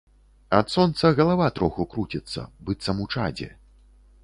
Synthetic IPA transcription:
at̪sɔnt̪sɐɣɐlˠavat̪ɾɔxukɾut͡sʲit̪sːɐ̰bɨt̪sːɐmut͡ʂa̰d͡zʲɛ̰

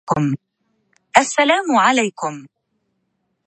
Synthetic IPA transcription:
kʊm | ʔasːalaːmʊʕalajkʊm

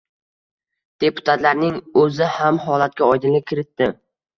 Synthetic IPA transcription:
d̪̥e̞pʰʊ̥t̪ʰat̪laɾnɪŋɵzɪhamhɒlˠat̪̚kʲaɒjd̪ɪnlɪp̚ʲkʲʰɪɾɪt̪ːɪ

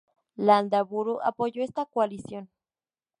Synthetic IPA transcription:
land̪aβuɾuʔa̰poʝoest̪akoalisjon

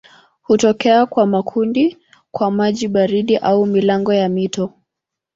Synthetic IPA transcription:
hutɔkɛakwamakʰundi | kwamaʄiɓaɾiɗiʔaumilaŋɡɔjamitɔ

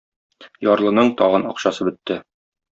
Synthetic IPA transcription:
jɒɾlˠɤ̆nɤɴt̪ɒʁɤnɒqɕɑsɤbɵ̆t̪ːɘ

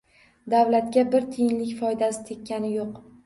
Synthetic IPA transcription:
d̪avlat̪ɡʲabɪɾt̪ʰɪjɪnlɪkʲfɒjd̪asɪ̥t̪ʰekʲːanɪjoq

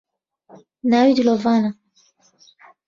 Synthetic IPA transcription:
nawidilɔvana

